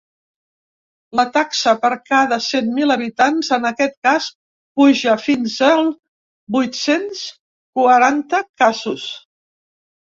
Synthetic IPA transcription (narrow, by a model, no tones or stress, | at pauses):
lət̪aksəpəɾkaðəsemmiləβit̪anzənəkɛt̪̚kas | puʒəfinzəlˠ | bujt̪sens | kuəɾant̪əkazus